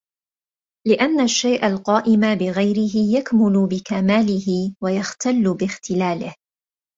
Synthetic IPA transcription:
lɪʔanːaʃːajʔalqɑːʔɪmabɪɣajɾɪɦɪjakmʊlʊbɪkamaːlɪhɪwajaxt̪alːʊbɪxt̪ɪlaːlɪh

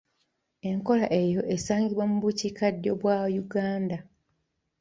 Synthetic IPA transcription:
e̞ŋko̞laʔe̞jo̞ʔesaːŋɡiβwamuβucikadːo̞βwaːjuɡaːnda

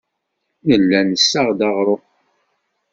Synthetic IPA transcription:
nəlːænəsːaʁd̪ɑʁɾˤo

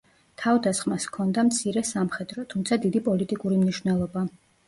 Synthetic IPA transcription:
t̪ʰavd̪asχmaskʰɔnd̪amt̪sʰiɾɛsamχɛd̪ɾɔt̪ʰumt̪sʰad̪id̪ipʼɔlit̪ʼikʼuɾimniʃwvnɛlˠɔba

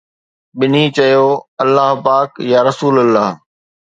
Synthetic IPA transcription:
ɓɪnit͡ɕɐjoːɐlːaɦpaːkjaːɾɐsuːləlːaːɦ

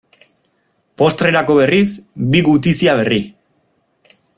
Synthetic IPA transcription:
po̞st̪ɾe̞ɾako̞βe̞risbiɣut̪isiaβ̞e̞ri

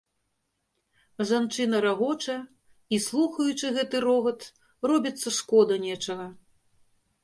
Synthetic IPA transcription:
ʐant͡ʂɨnɐɾaɣɔt͡ʂɐ | islˠuxɐjut͡ʂɨɣɛt̪ɨɾɔɣɐt̪ | rɔbʲit̪sːɐʂkɔd̪ɐnʲɛt͡ʂɐɣɐ

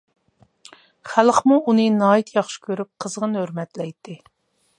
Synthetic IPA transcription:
χælˠχmuʔunɨnɑːit̪ʰjɑχʃi̥kʲʰøɾyp̚qʰəzʁənhøɾmɛt̪lɛjt̪ʰːɪ

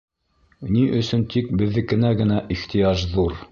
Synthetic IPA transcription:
niʔɵ̆sɵnt̪ʰik̚bɘ̆ðːɘkɘ̆næɡɘ̆næʔiχt̪ĭjɑʒðuɾ

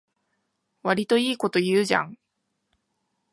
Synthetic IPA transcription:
βaɾʲit̪o̞iːko̞t̪o̞jɯːʑã̰ŋ

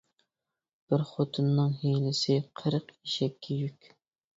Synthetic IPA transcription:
b̥ɪɾχot̪ʰɨnːɨŋɦejlɪsɪqʰəɾəqiʃɛkʲʰːɛjykʲ

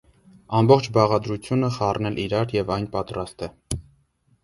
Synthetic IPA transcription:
ɑmbɔχt͡ʃʰbɑʁɑd̪ɾut͡sʰjunəχɑrnɛlʔiɾɑɾjɛvɑjnpɑt̪ɾɑst̪ɛ

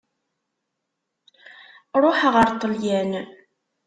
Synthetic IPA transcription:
ɾˤoħəʁəɾt̪ˤːəljæn

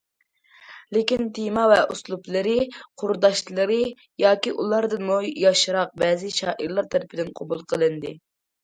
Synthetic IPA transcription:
lɪkʲint̪ʰemɑvɛʔuslˠuplˠɨɾɨqʰʊɾd̪ɑʃlˠɨɾɨ | jɑːkʲiʔulˠɑɾd̪ɨnmujɑʃɾɑq̚bɛːzɪʃɑːʔiɾlˠɑɾt̪ʰɛɾɪpʰɪd̪ɪnqʰɑbulˠqʰəlˠɨnd̪ɨ

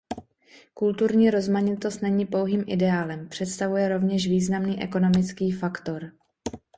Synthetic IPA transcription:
kult̪uɾɲiːɾo̞zmaɲɪt̪o̞st̪nɛɲiːpo̞wɦiːmʔɪdɛaːlɛmpr̝̥ɛt̪st̪avujɛɾo̞vɲɛʃviːznamniːʔɛko̞no̞mɪt͡skiːfakt̪o̞ɾ

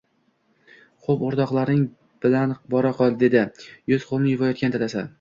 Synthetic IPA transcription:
χopoɾd̪ɒqlˠaɾnɪŋ | b̥ɪlanbɒɾaqɒlˠd̪e̞d̪ɪjʊz̥qʰolˠmnɪjɪvɒjɒt̪̚kʲant̪ʰalasa

